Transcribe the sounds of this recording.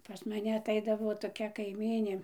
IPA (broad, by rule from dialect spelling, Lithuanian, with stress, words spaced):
pɐs mɐˈnʲɛ ɐtˈɐɪdɐʋoː toːˈkʲɛ kɐɪˈmʲiːnʲeː